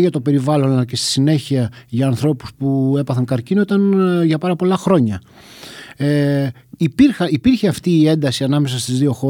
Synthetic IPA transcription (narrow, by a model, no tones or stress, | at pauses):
ʝɐt̪o̞pe̞ɾivɐlo̞nɐlɐcest̪i̥sine̞çiɐʝɐːnθɾo̞pu̥spue̞pɐθɐŋkɐɾcino̞it̪ɐnʝɐpɐɾɐpo̞lɐxɾo̞ɲɐ | ipiɾxɐipiɾçe̞ɐft̪iːe̞nd̪ɐsiɐnɐme̞sɐst̪izðio̞xo̞